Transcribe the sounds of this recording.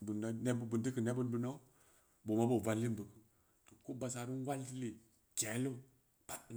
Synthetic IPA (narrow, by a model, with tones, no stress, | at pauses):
bu˨na˦ne˦bbə˨nti˦kə˨ne˦bə˦nbu˨˦na˦u˦ | bo˨ma˦bo˨va˨lːi˦mbə˨kə˦ | to˨ko˦ba˨sa˨ɾi˦n˦wa˦lti˦li˨ | d͡ʒe˨˦lo˦ | pa˨t